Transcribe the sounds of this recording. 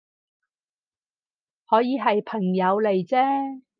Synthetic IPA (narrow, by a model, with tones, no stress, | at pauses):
hɔː˨˥jiː˨˧ɦɐ˨jpʰɐ˨˩ŋjɐ˨˧wle˨jt͡sɛː˥